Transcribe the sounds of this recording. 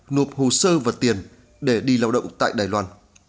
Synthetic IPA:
nu˨˩əp̚ho˨˩səː˧vaː˨˩t̪i˨˩ən | ɗe˧˩ɗi˧laː˧wɗə̰˧˨wŋ͡mt̪a̰ː˧˨jɗaː˨˩jlwaː˧n

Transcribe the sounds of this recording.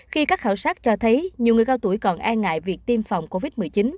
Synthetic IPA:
xi˧kaː˦˥k̚xaː˧˩wsaː˦˥t̚t͡ɕɔ˧t̪ʰə˨˦jɲi˨˩wŋɨ˨˩əjkaː˧wt̪u˧˩əjkɔ˨˩nʔaː˧ŋŋa̰ː˧˨jvi˨˩ək̚t̪i˧mfa˨˩wŋ͡mko˧vi˦˥t̚mɨ˨˩əjt͡ɕi˨˦n

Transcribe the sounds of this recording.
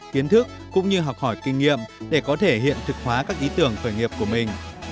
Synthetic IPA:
ki˨˦ənt̪ʰɨ˦˥k̚ːʊ̰˧˥ŋ͡mɲɨ˧ɦɔ˨˩wk͡p̚hɔ˧˩jkï˧ŋ̟ːḭ˧˨əmɗe˧˩kɔ˨˦t̪ʰe˧˩ɦḭ˧˨ənt̪ʰɨ˨˩k̚hwaː˨˦kaː˦˥k̚ʔi˨˦t̪ɨ˧˩əŋxəː˧˩jŋi˨˩əp̚ku˧˩əmï˨˩ŋ̟

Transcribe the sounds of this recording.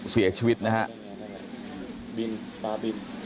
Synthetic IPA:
si˩˦ɐt͡ɕʰiː˧wi˦˥t̪̚na˦˥kʰa˦˥ʔ | bi˧n | saː˧bi˧n

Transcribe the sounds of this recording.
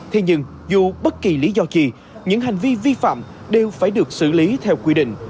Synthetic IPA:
t̪ʰe˨˧˦ɲɨ˧ŋ | zu˨˩ɓə˦˥t̚ki˨˩li˨˦zɔ˧t͡ɕi˧˨˩ | ɲɨ̰˧˥ŋɦa˨˩jŋ̟vi˧vi˧fa̰ː˧˨m | ɗe˨˩wfaː˧˩jɗɨ˨˩ək̚sɨ̰˧˩li˨˦t̪ʰɛ˧wkwi˧ɗḭ̈˧˨ŋ̟

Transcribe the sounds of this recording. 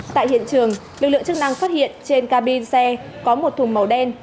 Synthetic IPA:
t̪a̰ː˧˨jhḭ˧˨ənt͡ɕɨ˨˩əŋlɨ˨˩k̚lɨ̰˧˨ə˨ŋt͡ɕɨ˦˥k̚na˧ŋfaː˦˥t̚hḭ˧˨ənt͡ɕe˧nkaː˧ɓi˧nsɛ˧kɔ˨˦mo˨˩t̚t̪ʰʊ˨˩ŋ͡mmə˨˩wɗɛ˧n

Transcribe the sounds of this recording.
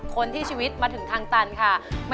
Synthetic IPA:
kʰo˧nt̪ʰiː˥˩t͡ɕʰiː˧wi˦˥t̪̚maː˧t̪ʰɯ˨˩˦ŋt̪ʰaː˧ŋt̪a˧nkʰa˥˩ma˥

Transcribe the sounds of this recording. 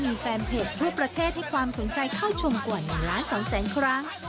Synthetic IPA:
miː˧fɛː˧mpʰeː˨˩t̪ʰu˥˩ɐpɾa˧t̪ʰeː˥˩t̪̚ha˥˩jkʰwaː˧mso˩˦nt͡ɕa˧jkʰa˥˩wt͡ɕʰo˧mkwaː˨˩nɯ˨˩laː˦˥nsɔː˩˦ŋsɛː˩˦nkʰɾa˦˥ŋ

